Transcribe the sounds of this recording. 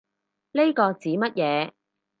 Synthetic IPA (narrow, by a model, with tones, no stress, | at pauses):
le˥jkɔː˧t͡siː˨˥mɐ˥t̚jɛː˨˧